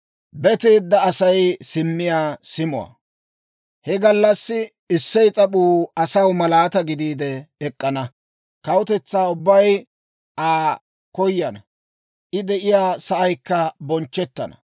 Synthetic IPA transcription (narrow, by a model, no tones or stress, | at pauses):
bɛt̪eːd̪ːɐːsɐjsɪmːɪjaːsɪmʊ̰wa̰ | hɛɡɐlːɐsːɪ | ɪsːɛjt͡sʼɐɓuːɐsɐwmɐlaːt̪ɐɡɪd̪iːd̪ɛːkʼːɐnɐ | kɐwʊt̪ɛt͡sːaːʊbːɐj | ʔaː | kɔjːɐnɐ | ʔɪd̪ɛʔɪjaːsɐʔɐjkːɐbɔnt͡ʃːɛt̪ːɐnɐ̰